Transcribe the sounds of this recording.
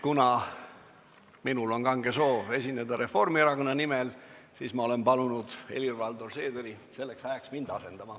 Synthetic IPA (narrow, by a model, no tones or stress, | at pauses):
kunɑ | minulo̞nkɑŋɡe̞so̞ːve̞sʲinːed̪̥ɑɾe̞fo̞rmieɾɑko̞nːɑnimelsiːsmɑo̞le̞mpɑlunud̪̥e̞̰lirvɑld̪orse̞ːd̪eɾi | se̞lːe̞ksɑeksmind̪̥ɑse̞nd̪̥ɑmɑ